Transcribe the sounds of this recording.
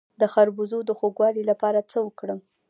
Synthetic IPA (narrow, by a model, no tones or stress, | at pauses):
d̪əxaɾbuzod̪əxoɡwɑlilapɑɾat͡səwəkɽəm